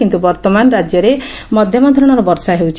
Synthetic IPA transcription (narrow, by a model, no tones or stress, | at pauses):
kint̪ubɔɾt̪ɔmanɔɾad͡ʒjɔɾe | mɔd̪ʱjɔmɔnd̪ʰɾɔɽ̃ɔɾɔbɔɾsaɦewt͡ʃʰ